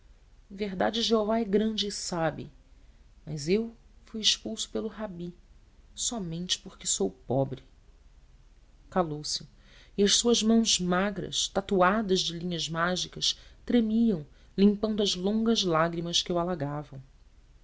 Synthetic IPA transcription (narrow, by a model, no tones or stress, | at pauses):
ẽveɦd̪ad͡ʒɪʒeovaɛɡɾɐ̃d͡ʒɪːsabɪ̰ | mɐzewfujɪʃpuwsʊ̥pelʊɦabi | sɔmẽnt͡ʃɪ̥pʊɾkɪsowpɔbɾɪ | kalowsɪ̥ | iɐʃsuɐzmɐ̃w̃zmaɡɾɐ̰ʃt̪at̪uad̪ɐzd͡ʒɪlĩɲɐzmaʒikɐʃt̪ɾemiɐ̃w̃ | lĩmpɐ̃nd̪ʊɐzlõŋɡɐzlaɡɾimɐskɪewalaɡavɐ̃w̃